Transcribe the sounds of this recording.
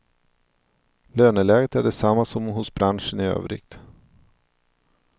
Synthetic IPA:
løːnəlɛːɡət̪æɖɛsamːasɔmɦʊsbɾanʂənɪø̰ːvɾɪ̰ɡ̥t̪

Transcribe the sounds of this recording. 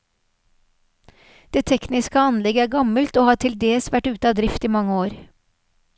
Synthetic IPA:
d̪̥eːt̪ʰɛknɪskəɑnlɛɡəæːɡɑməlt̪oːhɑːʈʰɪld̪eːsʋæʈʉːt̪əɑːd̪ɾɪft̪iːmɑŋəoːɾ

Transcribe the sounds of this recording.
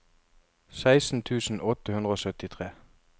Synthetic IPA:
sæɪsn̩t̪ʰʉːsn̩ʔɔt̪əhʉnd̪əoːsœt̪ɪt̪ʰʁeː

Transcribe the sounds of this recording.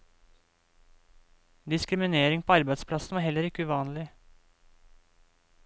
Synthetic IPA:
d̪ɪskɾɪmɪneːɾɪŋpʰoːɑɾbæɪd̪spʰlɑsn̩ʋɑːɾhɛlːəɾɪkːəʉːʋɑːnlɪ

